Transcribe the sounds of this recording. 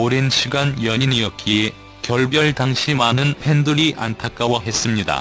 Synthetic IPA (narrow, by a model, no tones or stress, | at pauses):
oɾenɕʰiɡanjʌɲinijʌkʰi | kjʌɭbjʌɭtaŋɕʰimanɯnpʰe̞nduɾiʔʔa̰ntʰak͈awʌɦe̞s͈ɯmɲida̰